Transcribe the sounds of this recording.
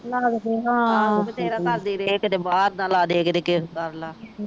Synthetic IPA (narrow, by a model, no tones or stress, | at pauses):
laːd̪d̪eːɦãːt̪eːɾaːkəɾd̪iːɾeːkt̪eːbaːɾd̪ãːlaːd̪eːkd̪eːkɪskəɾlaː